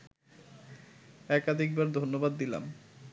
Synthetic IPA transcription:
ɛkad̪ʱik̚baɾd̪ʱonːobad̪ːila̰m

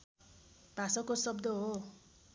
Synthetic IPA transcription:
b̥ʱasʌkosʌbd̪ʌɦo

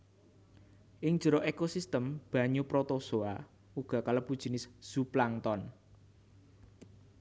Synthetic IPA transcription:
ʔɪŋ̥d͡ʒ̥ə̤ɾɔʔekosist̪əmb̥ä̤ɲupɾot̪ɔsoa | uɡ̥a̤kaləpud̥ʒ̥i̤nɪsz̥uplaŋt̪ɔn

